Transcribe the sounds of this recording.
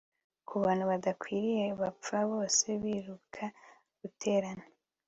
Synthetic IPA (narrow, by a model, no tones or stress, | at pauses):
kʰuβaːn̥huβadakwiːɾije̞βap͡faβo̞ːse̞βiːɾukʰa | ɡutʰe̞ːɾane